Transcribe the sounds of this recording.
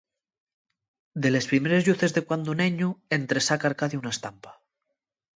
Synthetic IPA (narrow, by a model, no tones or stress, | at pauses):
d̪e̞le̞spɾimeɾe̞zʎuθe̞zðe̞kwand̪uneɲuent̪ɾesakaɾkaðiunaest̪ampḁ